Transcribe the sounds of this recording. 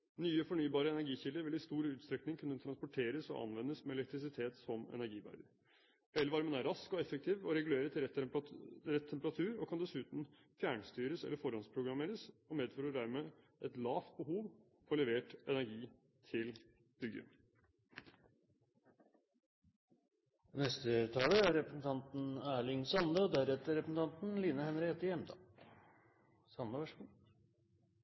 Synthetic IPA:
nyːəfɔɳyːbɑːɾəɛnæɾɡiːçɪld̪əɾʋɪlɪst̪uːɾəʉːt̪st̪ɾɛknɪŋkʰʉnːət̪ʰɾɑnspʊʈʰeːɾəsɔ̰ʔɑ̰nʋɛnːəsmɛɛlɛkt̪ɾɪs̬ɪt̪ʰeːt̪sɔmɛ̰næɾɡiːbæ̰ːɖ̪əɾ | ɛlːəʋɑːɾmɛnæɾɑskɔɛfək̚t̪ʰiːʋɔɾɛɡʉleːɾət̪ʰɪ | ɾɛt̪ʰːɛmpəɾɑt̪ʰʉːɾɔkʰɑnd̪ɛsʉːt̪n̩ | fjæːɳst̪yːɾəsɛ̰lːəɾfɔɾɔnspʰɾʊɡɾɑmeːɾəsɔmeːd̪fɔːɾəɖæɾmeː | ʔɛt̪lɑːft̪̚bəɦuːʋ | fɔlɛʋeːʈɛnæɾɡiː | t̪ʰɪl | b̥ʏɡə̰ | nɛst̪ət̪ʰɑːləæɾɛpɾəsn̩t̪ʰɑnt̪n̩æːɭɪŋsɑnd̪əɔd̪æɾɛt̪ːəɾɛpɾəsn̩t̪ʰɑnt̪n̩liːnəhɛnɾheːt̪ɪjɛmd̪ɑ̰ | sɑnəʋæʂɡu

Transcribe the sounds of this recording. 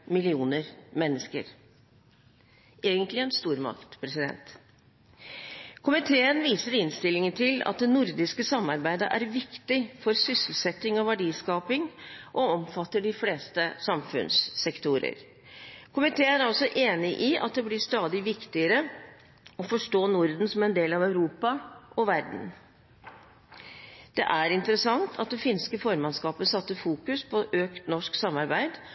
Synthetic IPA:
mɪlɪuːnəɾmɛnːəskə̰ɾ | eːɡənt̪lɪɛnst̪uːɾmɑ̰kt̪pʰɾɛsɪd̪ɛ̰nt̪ | kʰʊmɪt̪ʰeːənʋiːsəɾɪnst̪ɪlɪŋənt̪ʰɪlɑ̰t̪̚d̪ɛnʊɾd̪ɪskəsɑmːɑɾbæɪd̪ə̰ʔæɾʋɪkt̪ɪfɔɾsʏsəl̩sɛt̪ːɪŋɔʋæɖiːskɑːpɪŋʔɔɔmfɑt̪ːəɖɪfleːst̪əsɑmfʉ̰nsːɛkt̪uːɾə̰ɾ | kʰʊmɪt̪ʰeːæɾɑlsɔʔeːnɪʔɪʔɑ̰t̪̚d̪ɛblɪʂt̪ɑːd̪ɪʋɪkt̪ɪəɾə | ɔfɔʂʈoːnʊɾd̪n̩sɔmæɛnd̪eːlɑʋæʉɾuːpɑʔɔʋæɾɖɳ̩ | d̪̥ɛ̰ʔæɾɪnt̪əɾəsɑŋt̪ʰɑt̪̚d̪ɛfɪnskəfɔɾmɑnskɑːpənsɑt̪ːəfuːkʉspʰɔʔøːkt̪nɔʂksɑmːɑɾbæɪd̪

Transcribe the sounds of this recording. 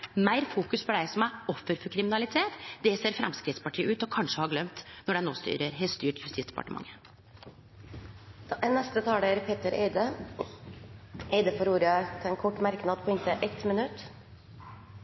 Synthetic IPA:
mæɪɾfuːkʉspʰɔd̪æɪsɔmæɔfːəɾfɔɾkʰɾɪmɪnɑlɪt̪ʰeːt̪d̪ɛseːɾfɾɛ̰mskɾɪt̪spɑʈʰiːəʉːt̪ɔkʰɑnʂəhɑɾɡlœmt̪nɔɖæɪnoːst̪y̰ːɾəɾɦɛst̪yːʈjʉst̪ɪːsd̪̥ɛpɑ̰ʈəmɑ̰ŋːə | ɛnːɛst̪ət̪ʰɑːld̪æɾpʰeːt̪əɾeɪd̪ə | eɪd̪əfɔɾuːɾɑt̪ʰɛlɛnkʰɔʈːmæɾknɑːd̪pʰɔɪnt̪əʔɛt̪mɪnʉt̪ː

